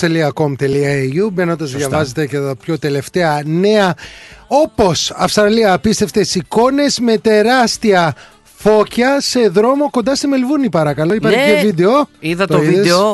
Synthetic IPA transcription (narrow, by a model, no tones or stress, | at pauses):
t̪eliɐko̞mt̪eliɐejubenond̪ɐzðʝɐvɐze̞t̪e̞ceɐpço̞t̪e̞le̞ft̪e̞ɐne̞ɐo̞po̞sɐfst̪ɾɐliɐːpist̪e̞ft̪e̞siko̞ne̞zme̞t̪e̞ɾɐst̪iɐ | fo̞çɐse̞ðɾo̞mo̞ko̞nd̪ɐst̪imelvunipɐɾɐkɐlo̞ipɐɾçeeovid̪eoiðɐt̪ooiiðees